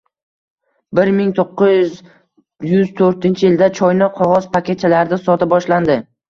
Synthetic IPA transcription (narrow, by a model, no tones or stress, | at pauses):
bɪɾmɪŋt̪ʰoqːɪz | jʊzt̪ʰoɾt̪ɪnt͡ʃʰɪjɪld̪at͡ʃʰɒjnɪqʰɒʁɒzpʰakʲʰe̞t̪̚t͡ʃʰalaɾd̪asɒt̪ʰɪbɒʃland̪ɪ